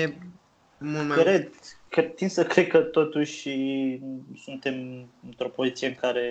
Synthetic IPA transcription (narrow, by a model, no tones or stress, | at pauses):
e | mumakɾed̪ket̪insəkɾed̪̚kət̪o̞t̪uʃʲi | sunt̪e̞mɨnt̪ɾo̞po̞zit̪sijeɨŋkaɾe̞